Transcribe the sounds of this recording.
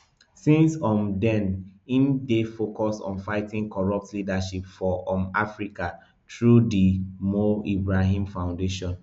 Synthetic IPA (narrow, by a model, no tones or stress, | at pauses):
sĩnsɔ̃mdɛ̃nĩndefokɔsɔ̰̃nfaɪtĩŋkɔɹɔp̚tlidaʃipfɔʔɔmafɹika | tʰɹudimoibɹaɦĩmfãʊ̃ndeʃɔ̃n